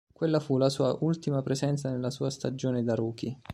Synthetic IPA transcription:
kwelːafulasuːaʔult̪imapɾezɛnt̪sanelːasuːast̪ad͡ʒoːned̪aɾuːk̟i

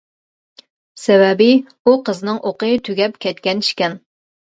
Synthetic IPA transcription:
sɛvɛbɪ | uqəznɨŋʔoqət̪ʰyɡʲɛpkʲʰɛt̪kʲɛniʃkʲɛn

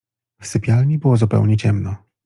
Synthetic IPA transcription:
fsɘpʲjalɲʲibɘwɔzupɛ̰wɲɛt͡ɕɛmnɔ

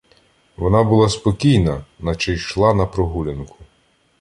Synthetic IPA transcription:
ʋɔnɑbʊlˠɑspɔkʲijnɐnɐt͡ʃɛjʃlˠɑnɐpɾɔɦulʲɐnkʊ̥

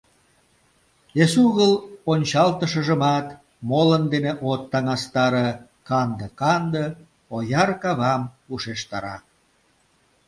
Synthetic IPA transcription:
esuɣəlonʲt͡ɕɑlt̪əʃə̆ʒəmɑt̪ | molənd̪eneʔot̪ːɑŋɑst̪ɑɾə | kɑnd̪əkɑnd̪ə | ojɑrkɑβɑm | uʃeʃt̪ɑɾɑ̰k̚

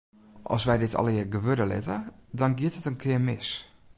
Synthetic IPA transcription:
ʔɔ̰sʋɛjdɪtʰɔ̰lˠɪəɡəʋødəlɪ̰tədɔnɡjɪətətənkʰɪəmɪs

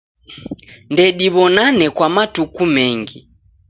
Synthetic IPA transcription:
ndɛɗiβɔnanɛkwamatukumɛŋɡi

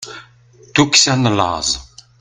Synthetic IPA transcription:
t̪uksænəlɑ̰zˤ

